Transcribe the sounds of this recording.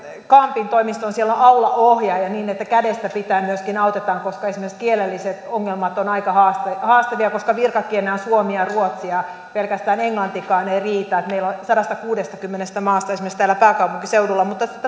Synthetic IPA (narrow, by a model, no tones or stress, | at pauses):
kɑmpint̪oimist̪onsielːoʔɑulɑʔohjɑjɑniːnet̪ːækædest̪æpit̪æːmyøskinɑut̪et̪ɑːŋkoskɑesimerkskielelːiset̪oŋːelmɑt̪onɑikɑhɑːst̪ɑhɑːst̪ɑʋiɑkoskɑʋirkɑkienæonsuomiɑruot̪siɑ | pelkæst̪æːneŋlɑnt̪ikɑːneiriːt̪ɑet̪meilonsɑdɑst̪ɑkuːdest̪ɑkymːenest̪æmɑːst̪ɑesimerkst̪æːlːˑæpæːkɑuwpuŋkiseudulːɑmut̪ːɑit̪ː